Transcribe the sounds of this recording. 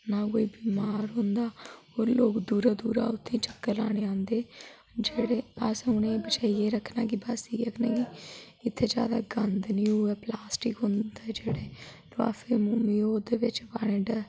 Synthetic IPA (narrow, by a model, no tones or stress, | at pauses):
naːkoːiːbiːmaːɾɦʊ̃nd̪aː | oːɾloːkd̪uːɾaːd̪uːɾa̰ːʊt̪ʰːẽːt͡ʃəkːəlaːɽ̃eːãːnd̪eː | d͡ʒeːɽeːasʊnẽːbət͡ʃaːiːeːɾəkʰnaːɡibaːsiːəkʰnaːɡiː | ɪt̪ʰːeːd͡ʒja̰ːd̪aːɡənd̪nĩːɦʊeːplaːsʈɪkɦʊ̃nd̪aːd͡ʒeːɽeː | ɾa̰ːfeːmuːmiːoːd̪eːʋɪt͡ʃʋanɖə